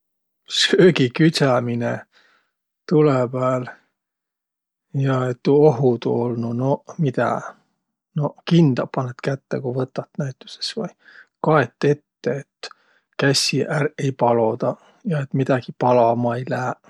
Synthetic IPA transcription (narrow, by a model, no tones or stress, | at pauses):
søːɡikyt̪æmine | t̪ulebæːl | jɑet̪ːuoɦud̪ṵolnuno̞mit̪æ̰ | no̞kind̪̥ɑpːɑnːet̪kæt̪ːekuvɤt̪ːˑɑt̪ːnæjt̪ˑːu̥se̥svɑjkɑe̞t̪ːˑe̞t̪ːeet̪ː | kæsʲiʔære̞jpɑlo̞d̪̥ɑ | jɑe̞t̪mid̪̥ɑɡ̥ipɑlɑmɑejlæː